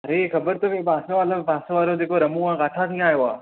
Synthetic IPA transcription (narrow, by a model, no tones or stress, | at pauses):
ɐɾexɐbəɾt̪oʋibaːsoʋalobaːsoʋaːlod͡ʑeːkoɾɐmũãːɡaːʈʰat̪ʰĩaːjoaː